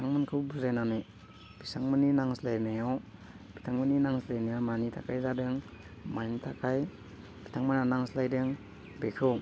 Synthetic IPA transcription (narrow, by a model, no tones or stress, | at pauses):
iaŋmɯnkʰɯwbuzajnanɯj | b̥isaŋmɯninaŋslajnajaw | b̥itʰaŋmɯninaŋslajnajawmanitʰakʰajzadɯŋmajnitʰakʰaj | b̥i̥tʰaŋmɯnanaŋslajdɯŋ | bekʰɯw